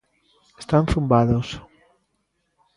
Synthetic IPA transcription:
est̪anθumbaðos

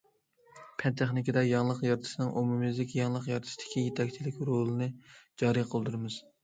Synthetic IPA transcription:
pʰɛnt̪ʰeχnɪkʲɪd̪ɛjɑŋlˠəqjɑɾt̪ʰɨ̥ʃɪnɨŋʔomumɨzlɪkʲjɑŋlˠəqjɑɾt̪ʰɨ̥sd̪̥ɪ̥kʲijet̪ʰɛkʲt͡ʃʰilɪkʲɾolˠɨnɨd͡ʒɑːɾɨqʰəlˠd̪uɾɨmɨz̥

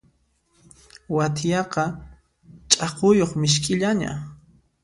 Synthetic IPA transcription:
wat̪ʰjɑqɑ | t͡ʃʼɑqʊjoχmɪʃkʼɪʎaɲa̰

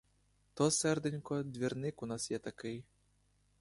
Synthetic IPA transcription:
t̪ɔsɛrd̪ɪnʲkɔd̪vʲirnɪkunasjɛt̪akɪj

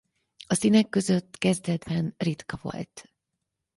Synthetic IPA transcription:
ɒsinɛkːø̞zø̞t̪ːkɛzd̪ɛd̪bɛnrit̪kɒvo̞̰lt̪

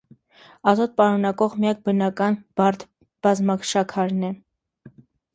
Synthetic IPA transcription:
ɑzɔt̪̚pɑɾunɑkɔʁmijɑk̚bənɑkɑnbɑɾt̪ʰ | b̥ɑzmɑkʃɑkʰɑɾnɛ

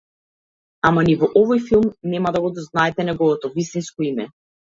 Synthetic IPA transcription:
amanivɔʔɔvɔjfilˠmnɛmad̪aɡɔd̪ɔznaɛt̪ɛnɛɡɔvɔt̪ɔvist̪inskɔimɛ

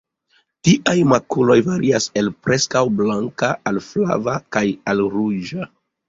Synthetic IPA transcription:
tiʔajmakulo̞jvaɾiase̞lpɾʔe̞skawblaŋkaːlfla̰vakajalɾud͡ʒa

